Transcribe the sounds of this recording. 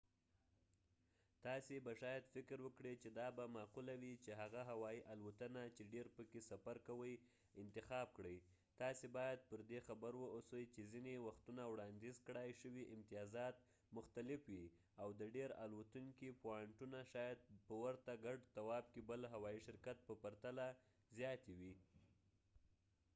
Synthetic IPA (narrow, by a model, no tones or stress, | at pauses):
t̪ɑsebaʃɑjad̪fɪkɾwəkɽet͡ʃed̪ɑbamɑqulawit͡ʃeɦaɣaɦawɑjiʔalwat̪ənat͡ʃeɖeɾpəkesafaɾkawəj | ɪnt̪ɪxɑb̚kɽəj | t̪ɑsebɑjad̪̚pəɾd̪exabəɾwəosəjt͡ʃezinewaxt̪unawɽɑnd̪izkɽɑjʃəwiʔɪmt̪ijɑzɑt̪̚ | mʊxt̪alɪfwi | awd̪əɖeɾa̰lwat̪uŋkipoɑɳʈunaʃɑjad̪̚pəwaɾt̪aɡaɖt̪awɑb̚kebəlɦawɑiʃɪɾkat̪̚pəpaɾt̪ala | zjɑt̪ewi